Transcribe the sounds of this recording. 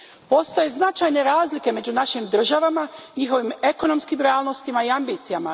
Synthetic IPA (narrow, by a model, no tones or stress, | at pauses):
po̞st̪oje̞znat͡ʃajne̞ɾaːzlike̞me̞d͡ʑunaʃimd̪r̩ʒaʋamaɲixo̞ʋime̞ko̞no̞mskimɾeaːlˠnost̪imaiambiːt̪sijama